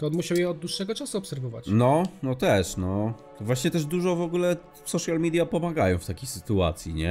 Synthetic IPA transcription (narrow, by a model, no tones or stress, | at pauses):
t̪ɔɔnmuɕawjɛɔd̪̚d̪wuʂːɛɡɔt͡ʂasuɔpsɛɾvɔva̰t͡ɕnɔnɔt̪ɛʂnɔ | vwaɕɲɛt̪ɛʐd̪uʐɔvɔɡulɛ | sɔʂjalmʲid̪ʲjapɔmaɡajɔ̃w̃ft̪akʲejsɘ̥t̪ua̰t̪sʲjiɲɛ